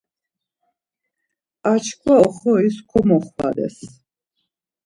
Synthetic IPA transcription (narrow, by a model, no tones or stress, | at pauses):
at͡ʃʰkʰwaɔχɔiskʰɔmɔχwa̰d̪ɛ̰s